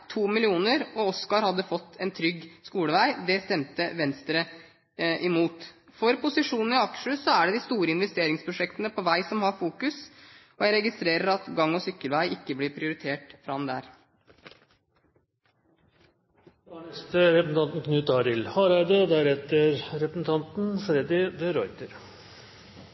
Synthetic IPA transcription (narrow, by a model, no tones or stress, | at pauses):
t̪ʰuːmɪlɪuːnəɾɔɔskɑɾhɑd̪ːəfɔt̪ːɛnt̪ʰɾʏɡːskuːləʋæɪd̪ɛst̪ɛmt̪əʋɛnst̪ɾə | ʔɪmuːt̪fɔɾpʊsɪʂuːnn̩ɪɑkʂəsɔæɖɛd̪ɪst̪uːɾəɪnʋɛst̪eːɾɪŋspʰɾʊʂɛkt̪ənəpʰɔʋæɪsɔmhɑɾfuːkʉs | ɔjæɪɾɛɡɪst̪ɾeːɾəɾɑt̪ɡɑŋːɔsʏkːəlʋæɪʔɪkːəblɪɾpʰɾɪʊɾɪt̪ʰeːʈfɾɑmd̪æ̰ːɾ | ɳɛst̪əɾɛpəsn̩ɑnt̪n̩kʰnʉːt̪ɑɾɪlhɑɾɑɪd̪əd̪æɾɛt̪əɾɾɛpɾəsn̩t̪ʰɑnt̪n̩fɾɛd̪ɪʋɛɾɔʏt̪əɾ